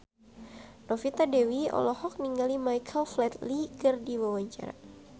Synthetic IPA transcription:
nɔfit̪adɛwiɔ̰lɔhɔk̚niŋɡalimajkʰəlflɛt̪likərdiwawaɲt͡ʃa̰ɾa̰

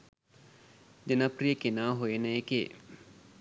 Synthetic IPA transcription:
d͡ʒənaprijəkenaːɦojenəeke

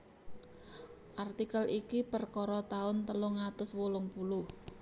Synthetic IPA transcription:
ʔart̪ikəlʔikipərkɔɾɔt̪aʊnt̪əlʊŋat̪ʊswolʊŋpulʊh

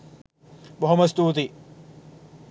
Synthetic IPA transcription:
boɦomɐst̪uːt̪i

